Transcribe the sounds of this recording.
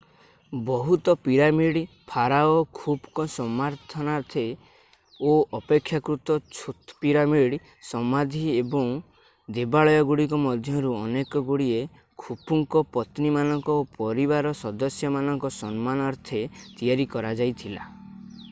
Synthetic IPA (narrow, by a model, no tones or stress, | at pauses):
bɔɦut̪ɔpiɾamiɽ | pʰaɾaɔkʰubkɔsɔmaɾt̪ʰɔnaɾt̪ʰe | oɔpekʰːjakɾut̪ɔt͡ʃʰut̪piɾamiɽ | sɔmad̪ʱiebɔŋ | d̪ebaɭɔjɔɡuɽikɔmɔd̪ʱjɔɾuɔnekɔɡuɽie | kʰupuŋkɔpɔt̪nimanɔŋkɔopɔɾiβaɾɔsɔd̪ɔsjɔmanɔŋkɔsɔnmanaɾt̪ʰet̪ijaɾikɔɾad͡ʒajt̪ʰila̰